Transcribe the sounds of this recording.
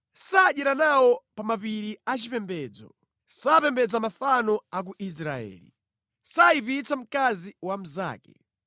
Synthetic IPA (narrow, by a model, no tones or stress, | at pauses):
saɗɛɾanawɔpamapiɾiat͡ʃipɛmbɛːd͡zɔ̰ | sapɛmbɛd͡zamafanɔak̬uʔis̬ɾaɛ̰ːlḭ | saipit͡sam̩kaziwam̩za̰ːkɛ̰